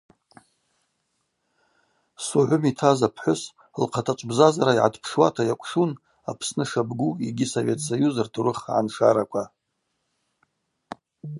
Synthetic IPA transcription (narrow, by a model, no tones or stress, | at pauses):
suʕʷʊmitʰazapʰħʷʊs | lqʰatʰat͡ʃʷʼbzazaɾaiʕa̰tʰpʰʂwa̰tʰajakʷʰʼʂun | a̰pʰsnɨʂabɡuiɡʲɪsovʲe̞tʰsajuzɨrtʰuɾɨχʕa̰nʂaɾakʷʰa